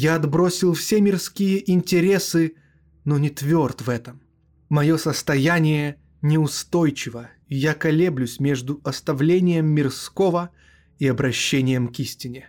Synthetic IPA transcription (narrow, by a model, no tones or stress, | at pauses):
jaɐd̪bɾosʲɪlˠfsʲemʲɪrskʲijəʔɪnʲtʲɪɾʲesɨ | nonʲɪt̪vʲo̞rt̪vɛt̪əm | mɐjo̞səst̪ɐjanʲɪjə | nʲɪʊst̪o̞jt͡ɕɪvə | ijakɐlʲeblʲʉsʲmʲeʐd̪ʊɐst̪ɐvlʲenʲɪjəmːʲɪrskovə | iɐbɾɐɕːenʲɪjəmkisʲtʲɪnʲɪ